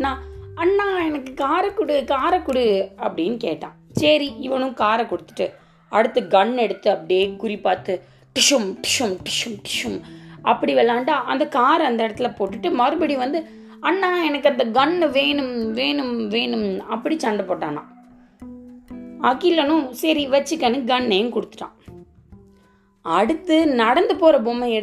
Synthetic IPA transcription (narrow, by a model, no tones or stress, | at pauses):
nãːɐnːãːɛnɐkːɯkaːɾɐkːʊɽɯkaːɾɐkːʊɽɯɐpːɐɽɪjnːɯkḛːʈːã̰ːsɐɾiɪʋɐnʊ̃kaːɾɐkʊɽɯt̪ːɯ̥ʈːɯ | ɐɽɯt̪ːɯɡɐɳːɛɽɯt̪ːɯɐpːɐɽɪjeːkʊɾɪpːaːt̪ːɯ | ʈɪʂɯmʈɪ̥ʂɯmʈɪ̥ʂɯmʈɪ̥ʂɯmɐpːɐɽiʋɛlːaːɳʈaːʔɐ̰nd̪ɐkaːɾɐɐnd̪ɐɪɽɐt̪ːɯlɐpoːʈːɯʈːɯmɐɾɯbɐɽiʋɐnd̪ɯ | ɐnːãːɛnɐkːɐnd̪ɐɡɐɳːʋeːnɯmʋeːnɯmʋeːnɯmɐpːɐɽit͡ʃɐɳɖɐpoːʈːãːnã̰ː | ɐkːilɐnʊ̃sɐɾiʋɐt͡ʃːɯkːɐnɯɡɐɳːejʊ̃kʊɽɯt̪ːɯ̥ʈːã̰ː | ɐɽɯt̪ːɯnɐɽɐnd̪ɯpoːɾɐbomɐ̃ɛɽ